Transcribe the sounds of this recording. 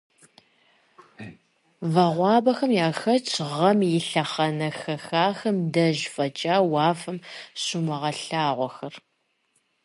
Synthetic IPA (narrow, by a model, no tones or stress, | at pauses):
vɐʁʷɑːbɐxɐmjaːxɐt͡ʃʰʼʁɐmjɪɬɐχɐnɐxɐxaːxɐmdɐʒfɐt͡ʃʼaːwɑːfɐmɕumɐʁɐɬaːʁʷɔxɐr